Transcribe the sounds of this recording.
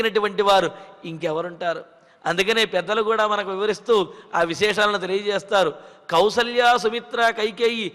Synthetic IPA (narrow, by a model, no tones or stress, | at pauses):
inɐʈuʋɐɳʈiʋaːɾuiŋkɛʋɐɾuɳʈaːɾu | ɐnd̪ukɐne̞ːpɛd̪ːɐlukuːɽaːmɐnɐkuʋiʋɐɾist̪uːaːʋiʃɛːʂaːlɐnut̪̬e̞lijɐt͡ʃɛːst̪aːɾukɐwsɐljaːs̬umit̪ɾaːkɐjkeːji